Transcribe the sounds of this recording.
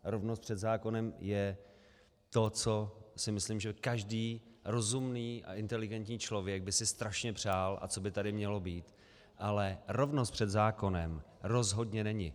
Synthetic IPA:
ɾo̞vnost̪pr̥ɛd̪zaːko̞nɛmjɛ | t̪o̞t͡so̞sɪmɪsliːmʒɛkaʒdiː | ɾo̞zumniːʔa̰ʔɪnt̪ɛlɪɡɛnt̪ɲiːt͡ʃlo̞vjɛɡ̚bɪsɪst̪ɾaʃɲɛpr̝̥aːlʔa̰t͡so̞bɪt̪adɪmɲɛlo̞biːt̪ | ʔalɛɾo̞vnost̪pr̥ɛd̪zaːko̞nɛm | ɾo̞zɦo̞dɲɛnɛɲɪ

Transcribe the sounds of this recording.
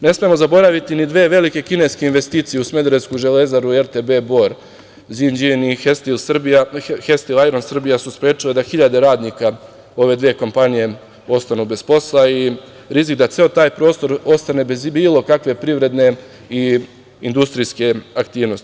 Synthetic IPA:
ne̞smiemo̞zabo̞ɾaʋit̪inid̪ʋeːʋe̞like̞kine̞jskeinʋest̪iːt̪sijeusme̞d̪ɾeskuʒe̞le̞zaɾueɾt̪ebe̞bo̞ɾ | zind͡ʒiniest̪ilsbaxest̪ilajɾonsr̩bijasuspɾjeːt͡ʃile̞d̪axiʎad̪e̞ɾaːd̪nika | o̞ʋe̞d̪ʋie̞ko̞mpanije̞ | o̞st̪anube̞spo̞slai | ɾizikd̪at̪seot̪aːjpɾo̞ːst̪o̞ɾo̞st̪ane̞bezbiːlˠo̞kakʋe̞pɾiʋɾe̞d̪ne̞ | i | ind̪ust̪ɾiske̞akt̪iːʋno̞st̪i

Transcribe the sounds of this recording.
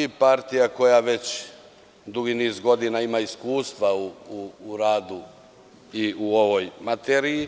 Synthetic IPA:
ipaɾt̪ijako̞jaʋe̞t͡ɕ | d̪uɡiniːzɡo̞d̪inaimaiskuːst̪ʋauːɾaːd̪u | iuoʋo̞jmat̪eɾiji

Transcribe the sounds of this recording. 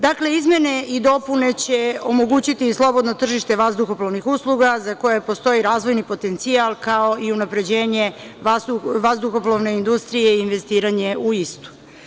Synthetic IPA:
d̪akle̞izmje̞ne̞id̪o̞pune̞t͡ɕe̞o̞mo̞ɡut͡ɕit̪islˠo̞bo̞d̪not̪r̩ʒiʃt̪e̞ʋazd̪uxoplˠoʋnixuslˠuɡazako̞jepo̞st̪o̞iɾaːzʋo̞jnipo̞t̪e̞nt̪sialˠkao̞ʔiunapɾe̞d͡ʑe̞ːɲe̞auʋazd̪uxoplˠoʋne̞ind̪ust̪ɾije̞iːnʋe̞st̪iːɾaɲe̞ʔuist̪u̥

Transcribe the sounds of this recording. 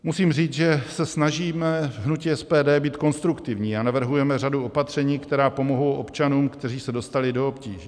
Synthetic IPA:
musiːmriːt͡sʒɛsɛsnaʒiːmɛɦnuciːɛspɛːdɛːbiːt̪ko̞nst̪ɾukt̪ɪvɲiːanavr̩ɦujɛmɛraduo̞pat̪r̝̥ɛɲiːkt̪ɛɾaːpo̞mo̞ɦowʔo̞pt͡ʃanuːmkt̪ɛriːsɛdo̞st̪alɪdo̞opciːʒɛ

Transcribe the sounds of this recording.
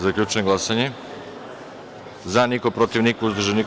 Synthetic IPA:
zakʎʲut͡ʃeemɡlˠasaɲe | zanikopɾot̪iʋnikouzd̪r̩ʒanik

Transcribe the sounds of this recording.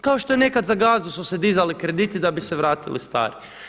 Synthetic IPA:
kao̞ʃt̪o̞jene̞kad̪zaɡaːzd̪usused̪izalikɾe̞d̪it̪id̪abiseʋɾaːt̪ilḭst̪a̰ːɾi

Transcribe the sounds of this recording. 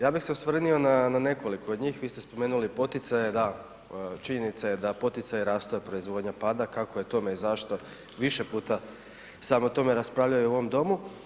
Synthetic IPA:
jaːbixseosʋr̩nio̞nanane̞ko̞likood̪ɲiːxʋiːst̪espo̞me̞ːnulipo̞t̪it̪sajed̪a | t͡ʃiɲe̞nit̪saje̞d̪apo̞t̪it̪sajɾaːst̪ojepɾo̞izʋo̞ːd̪ɲapaːd̪akakoje̞t̪o̞me̞izaʃt̪o̞ | ʋiʃepuːt̪a | samot̪o̞me̞ɾaspɾaːʋʎajuuo̞ʋomd̪o̞mu

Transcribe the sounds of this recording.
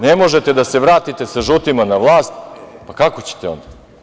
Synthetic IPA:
nemo̞ʒet̪e̞d̪aseʋɾaːt̪it̪e̞saʒut̪imanaʋlˠaːst̪pakako̞t͡ɕe̥t̪eo̞̰nd̪a

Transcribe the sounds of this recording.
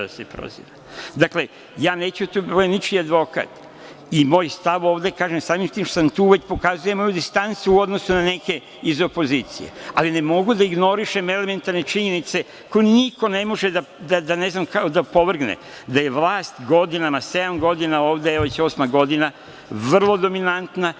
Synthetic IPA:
d̪asepɾo̰zḭʋa | d̪akle̞ | jaːne̞ːt͡ɕut̪umojenit͡ʃiad̪ʋo̞ka̰t̪ | imo̞ːjst̪aʋo̞ːʋd̪e̞kaːʒemsaːmimt̪iːmʃosamt̪uːʋe̞t͡ɕpo̞kazuje̞mo̞jud̪ist̪ant̪suuo̞d̪no̞sunane̞ke̞ | izo̞po̞ziːt̪sḭje̞̰aline̞mo̞ɡud̪aiɡno̞ɾiʃeme̞le̞me̞nt̪aɾne̞t͡ʃiɲenit̪se̞ | kojeniko̞ne̞mo̞ʒed̪a | d̪ad̪ane̞znamkaod̪apo̞ʋr̩ɡnḛ | d̪aje̞ʋlˠaːst̪ɡo̞d̪inamase̞d̪amɡo̞d̪inao̞ːʋd̪eeoet͡ɕo̞ːsmaɡo̞d̪ina | ʋr̩lˠo̞d̪o̞minant̪na

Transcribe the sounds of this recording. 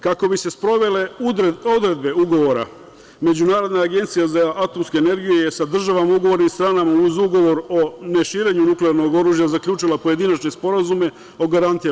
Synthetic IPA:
kako̞bise̞spɾo̞ʋe̞le̞od̪ɾe̞d̪̚be̞uɡo̞ʋo̞ɾa̰ | me̞d͡ʑunaːɾo̞d̪naːɡe̞nt̪sijazaʔat̪o̞mske̞ːne̞ɾɡijejesad̪r̩ʒaʋamauɡo̞ʋo̞ɾnimst̪ɾaːnamauzuɡo̞ʋo̞ɾo̞ne̞ʃiːɾe̞ɲunukleaɾno̞ɡo̞ɾuːʒjazakʎʲuːt͡ʃilˠapo̞je̞d̪inat͡ʃne̞spo̞ɾazume̞ | o̞ɡaɾant̪i

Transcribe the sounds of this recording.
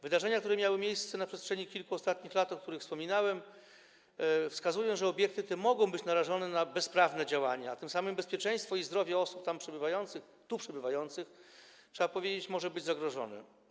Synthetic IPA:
vɘd̪aʐɛɲakt̪uɾɛmʲjawɘmjejst̪sɛnapʂɛstʂɛɲikʲilkuɔst̪at̪ɲixlat̪ɔkt̪uɾɘxfspɔmʲinawɛm | fskazujɔ̃w̃ʐɛɔbʲjɛk̚t̪ɘt̪ɛmɔɡɔ̃w̃bɘt͡ɕnaɾaʐɔnɛnabɛspɾavnɛd͡ʑawa̰ɲaat̪ɘmsamɘmbɛspʲjɛt͡ʂɛ̃j̃st̪fɔizd̪ɾɔvʲjɛɔsupt̪ampʂɛbɘvajɔnt̪sɘx | t̪upʂɛbɘvajɔnt̪sɘx | t͡ʂʂɛbapɔvʲjed͡ʑet͡ɕmɔʐɛbɘd͡ʑzaɡɾɔʐɔ̰nɛ̰

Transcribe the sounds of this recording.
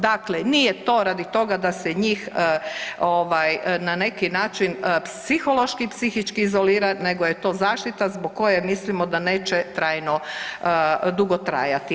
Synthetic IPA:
d̪aklenijet̪o̞ːɾad̪it̪o̞ɡad̪asɛɲiːxəoʋajnane̞kinaːt͡ʃinəpsixo̞lˠo̞ʃkipsixit͡ʃkiːzoliːɾane̞ɡojet̪o̞ːzaːʃt̪it̪azboɡ̚kːo̞jemislimod̪aneːt͡ʃɛt̪ɾaːjno | d̪uɡot̪ɾa̰ːjat̪i

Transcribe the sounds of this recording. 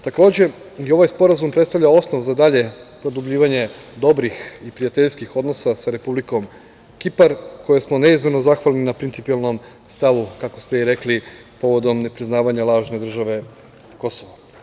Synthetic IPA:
t̪ako̞ːd͡ʑe | jeo̞ʋajspo̞ɾazumpɾet̪st̪aʋʎao̞sno̞ʋzad̪aʎe̞pɾo̞d̪ubʎiːʋaɲe̞ | d̪o̞bɾixipɾijat̪eʎskixo̞d̪no̞sasaɾepubliko̞m | kipaɾko̞jesmo̞ne̞izme̞nozaxʋalninapɾint̪sipialˠno̞m | st̪aʋukako̞st̪eiɾe̞kli | po̞ʋo̞d̪o̞mne̞pɾiznaːʋaɲalˠaːʒne̞d̪r̩ʒaʋe̞ | ko̞soʋo

